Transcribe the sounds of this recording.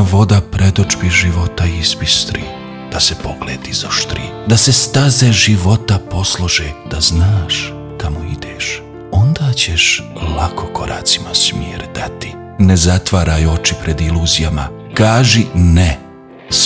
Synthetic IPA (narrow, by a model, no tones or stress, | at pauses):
ʋo̞d̪apɾe̞d̪od͡ʒbiʒiʋo̞t̪aispist̪ɾḭː | d̪̥asepo̞ɡ̥lḛːd̪izoʃt̪ɾḭːd̪ase̞st̪azeʒiʋo̞t̪apo̞slˠoʒed̪̥aznaːʃ | kamoid̪eːʃ | o̞nd̪aːt͡ɕeʃlakʰo̞ko̞ɾa̰ːt̪si̥masmjiːɾd̪at̪i̥ | nezat̪ʋaːɾajo̞t͡ʃipɾe̞d̪iluːzijama̰kaːʒine | s